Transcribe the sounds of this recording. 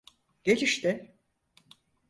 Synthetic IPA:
ɟ̥e̞t͡ʃʰiʃt̪ɪ

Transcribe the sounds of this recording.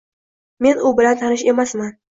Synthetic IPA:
me̞nʊbɪlant̪ʰanɪʃe̞masman

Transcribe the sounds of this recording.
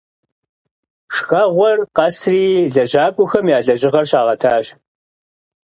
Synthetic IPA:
ʂxɐʁʷɔrqɐsriːɮɐʑaːkʷʼʊxɐmjaːɮɐʑɪʁɐrɕaːʁɐtʰaːɕ

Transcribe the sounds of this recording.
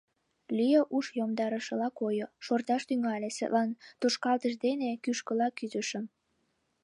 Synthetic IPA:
lyjəʔuʃjomd̪ɑɾəʃə̆lɑkojoʃort̪ɑʃt̪yŋɑlʲesḛʔ̪lɑnt̪oʃkɑlt̪əʃd̪enekyʃkəlɑkyzə̆ʃə̆m

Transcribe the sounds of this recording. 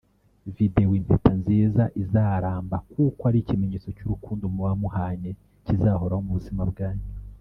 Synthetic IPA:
videowiːmpʰetanziːzaʔizaːɾaːmbakukoaɾicimeɲet͡so̞cuɾukuːndomuwamuhaːɲe̞ | cizaho̞ɾahomuβuzimab̚ɡaːɲu

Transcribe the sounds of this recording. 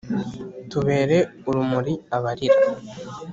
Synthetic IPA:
tuβe̞ːɾe̞uɾumuɾiaβaɾiɾa

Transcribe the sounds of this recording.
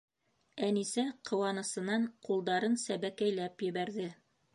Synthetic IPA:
ænisæqʰɤ̆wɑnɤ̆sɤ̆nɑɴqulˠd̪ɑɾɤnsæβækæjlæpjɘ̆βæɾðɘ

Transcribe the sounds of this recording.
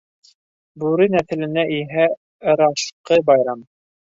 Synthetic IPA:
bʉɾɘnæθɘ̆lɘ̆næʔiɦæ | ɤ̆ɾɑʃqɤbɑjɾɑm

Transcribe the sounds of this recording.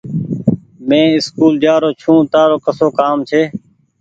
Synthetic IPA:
mẽːɪskuːld͡ʒaːɾoːt͡ʃʰũːt̪aːɾoːkəsoːkaːmt͡ʃʰeː

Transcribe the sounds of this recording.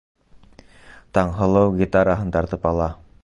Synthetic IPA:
t̪ɑɴɦɤ̆lˠɤwɡʲit̪aɾaɦɤnt̪ɑɾt̪ɤpɑlˠɑ

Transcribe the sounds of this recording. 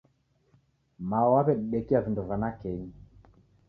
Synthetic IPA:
maɔwaβɛɗiɗɛkiavindɔvanakɛɲi

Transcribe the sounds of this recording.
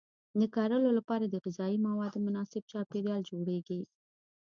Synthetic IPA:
d̪əkɑɾəlolapɑɾad̪əɣɪzɑimawɑd̪ːəmʊnɑsɪb̚t͡ʃɑpeɾjɑld͡ʒoɽeɡi

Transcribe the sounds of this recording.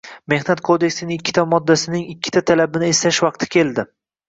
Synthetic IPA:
me̞hnat̪̚kʰod̪e̞kʲsɪnɪŋɪkʲʰːɪ̥t̪ʰamɒd̪ːasɪnɪŋɪkʲːɪ̥t̪ʰat̪ʰalabɪnɪest̪aʃvɑq̚t̪ʰɪ̥kʲʰe̞ld̪ɪ

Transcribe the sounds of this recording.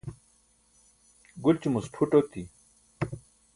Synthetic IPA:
ɡult͡ɕimusʈʰuʈot̪i

